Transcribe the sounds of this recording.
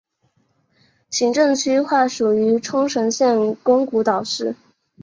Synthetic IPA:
t͡ɕʰi˧˥ŋʈ͡ʂɤ˥˩ŋt͡ɕʰy˥xwa˥˩ʂu˨˩y˧˥ʈ͡ʂʰʊ˥ŋʂɤ˧˥ŋɕjɛ˥˩nkʊ˥ŋku˧˥t̪ɑ˨˩ʊʂɻ̩˥˩

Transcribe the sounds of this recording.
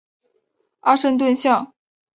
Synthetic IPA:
a˥ʂɤ˥˧ŋt̪̬wə˥˧nɕjɑ˥˩ŋ

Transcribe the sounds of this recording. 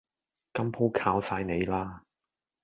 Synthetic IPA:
kɐ˥mpʰo˥wkʰaː˧wsaː˧jne˨˧jlaː˥

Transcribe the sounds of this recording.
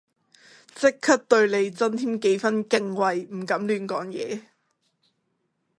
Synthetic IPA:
t͡sɪ˥kʰːɐ˥t̚t̪ɵ˧ɥle˨˧jt͡sɐ˥nt̪ʰiː˥mke˨˥jfɐ˥nkɪ˨˧ŋwɐ˨jm̩˨˩kɐ˨˥mlyː˨˧˥nkɔː˨˥ŋjɛː˨˧

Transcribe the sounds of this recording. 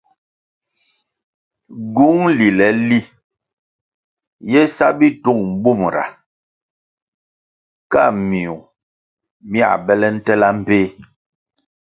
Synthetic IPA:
ɡu˦ŋli˨lɛ˨˦li˦ | jɛ˦sa˦bi˦tu˦˨ŋm̩˨bu˦˨mɾa̰˨ | ka˦˨mi˨u˨ | mi˦a̰˨bɛ˦lɛ˦n̩˦tɛ˦la˦m̩˨peː˦˨

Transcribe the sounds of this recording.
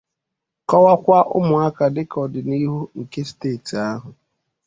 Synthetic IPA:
kɔ˦wa˦kʷa˦ʔʊ̰˦mʊ˨a˦ka˨dɪ˦kɔ˨dɪ˨ni˦ɦu˦ŋ̩˨ke˦steː˦˨ti˨a˦ɦʊ˨

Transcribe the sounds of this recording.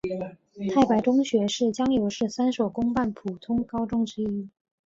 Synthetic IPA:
t̪ʰa˥˩ɪpa˧˥ɪʈ͡ʂʊ˥ŋɕɥɛ˧˥ʂɻ̩˥˩t͡ɕjɑ˥ŋjo˧˥ʊʂɻ̩˥˩sa˥nʂo˨˩ʊkʊ˥ŋpa˥˩npʰu˨˩t̪ʰʊ˥ŋkɑ˥ʊʈ͡ʂʊ˥ŋʈ͡ʂɻ̩˥i˥

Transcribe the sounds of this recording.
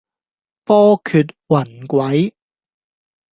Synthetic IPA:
pɔː˥kʰyː˧t̚wɐ˨˩nkʷɐ˨˥j

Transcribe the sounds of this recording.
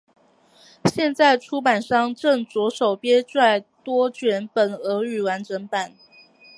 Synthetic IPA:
ɕjɛ˥˧nt͡sa˥˩ɪʈ͡ʂʰu˥p̬a˨˩nʂɑ˥˧ŋʈ͡ʂɤ˥˩ŋt͡swɔ˧˥ʂo˨˩ʊpjɛ˥ʈ͡ʂwa˥˩ɪt̪wɔ˥t͡ɕɥɛ˧˥npə˨˩nɤ˧˥y˨˩wa˧˥nʈ͡ʂʰə˧˥ŋpa˨˩˦n

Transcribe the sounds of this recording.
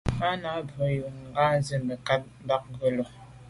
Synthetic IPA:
a˦na˨˦bo˨ju˨ŋ˨ŋɡa˦n˦zi˦mbə˨ka˦t̚m̩˦ba˦k̚ŋ˦ɡə˦lo˨

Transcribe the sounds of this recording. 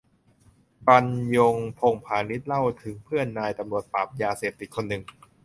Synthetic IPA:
pa˧njo˧ŋpʰo˧ŋpʰaː˧ni˦˥t̪̚la˥˩wt̪ʰɯ˩˦ŋpʰɯ˥˩ənːaː˧jt̪a˧mɾu˨˩ət̪̚paː˨˩p̚jaː˧seː˨˩p̚t̪i˨˩t̪̚kʰo˧nːɯ˨˩ŋ

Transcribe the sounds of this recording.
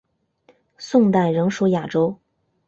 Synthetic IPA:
sʊ˥˧ŋt̪a˥˩ɪɻɤ˧˥ŋʂu˧˥ja˨˩ʈ͡ʂo˥ʊ

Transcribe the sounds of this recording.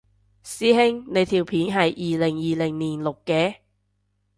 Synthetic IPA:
siː˥ɦɪ˥ŋne˨˧jt̪ʰiː˨˩wpʰiː˨˥nɦɐ˨jʔiː˨lɪ˨˩ŋjiː˨lɪ˨˩ŋniː˨˩nlʊ˨kːɛː˧˥

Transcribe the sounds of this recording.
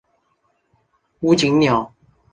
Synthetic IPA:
wu˦t͡ɕi˨˦ŋnjɔ˨˩˦

